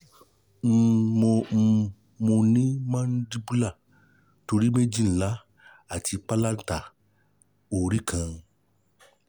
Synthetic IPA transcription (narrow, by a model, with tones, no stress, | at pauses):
m̩˦mo˧m̩˦˧ | mo˧nĩ˦mã˦n̩˦di˦bu˦la˦˨ | to˧ɾi˦me˦d͡ʒi˦˨˦la˨˦ | a˦˨ti˧k͡pa˦la˦n̩˦ta˨ | o˨ɾi˦kʰã˧